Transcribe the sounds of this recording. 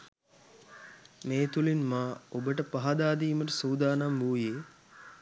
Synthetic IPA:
meːt̪ulinmaːobəʈəpaɦad̪aːd̪iːməʈəsuːd̪aːnambuːjeː

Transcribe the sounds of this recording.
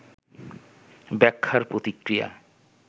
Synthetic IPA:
bɛkʰːaɾpɾot̪ikɾija̰

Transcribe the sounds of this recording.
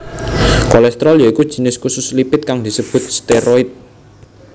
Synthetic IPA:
kɔlɛst̪ɾɔljaikud̥ʒ̥i̤nɪskusʊslipɪt̪̚kaŋd̪̥i̤səb̥ʊ̤t̪̚st̪eɾɔɪt̪̚

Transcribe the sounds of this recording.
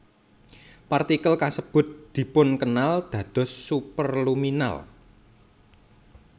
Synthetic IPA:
part̪ikəlkasəb̥ʊ̤t̪̚d̪̥i̤pʊnkənald̪̥ä̤d̪̥ɔ̤sːupərlumina̰l

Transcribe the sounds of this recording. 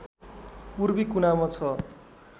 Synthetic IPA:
purbikunamʌt͡sʰʌ

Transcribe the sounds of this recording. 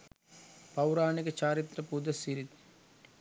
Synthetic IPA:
pɐwɾaːnikɐt͡ʃaːɾit̪ɾɐpud̪ɐsiɾit̪

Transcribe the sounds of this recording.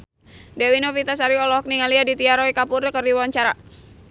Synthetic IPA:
dɛwinofit̪as̬aɾiɔlɔhɔk̚niŋaliadit̪iaɾɔikapurkərdiwaɲt͡ʃaɾa

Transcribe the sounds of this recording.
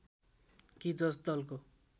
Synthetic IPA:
kid͡zʌsd̪ʌlko

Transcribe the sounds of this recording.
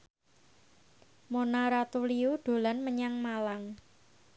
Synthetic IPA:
monaɾat̪uliuɖ̥o̤lanməɲaŋmalaŋ

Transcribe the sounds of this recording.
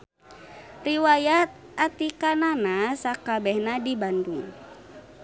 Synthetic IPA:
riwajat̪̚ | ʔat̪ikananasakabɛhnadibanduŋ

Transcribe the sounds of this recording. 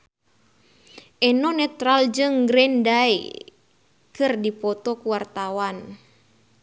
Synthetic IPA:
ʔɛnɔnɛt̪ɾald͡ʒɨŋɡɾɛndaḭ | kɨrdipɔt̪ɔkuwart̪awan

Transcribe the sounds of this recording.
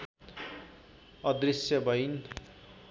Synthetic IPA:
ʌd̪risjʌbʱʌjn

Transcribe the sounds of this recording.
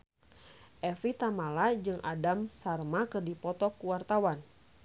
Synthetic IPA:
ʔɛfit̪amalad͡ʒɨŋʔa̰damsarmakɨrdipɔt̪ɔkuwart̪awan

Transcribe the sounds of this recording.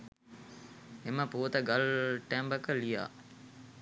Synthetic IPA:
eməpuət̪əɡalʈæmbəkəlija̰ː

